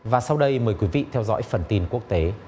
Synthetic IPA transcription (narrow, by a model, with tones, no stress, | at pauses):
vaː˨˩sa˧wɗə˧jməː˨˩jkwi˨˦vḭ˧˨t̪ʰɛ˧wzɔ̰ː˧˥jfə˨˩nt̪i˧nku˦˥ək̚t̪e˨˦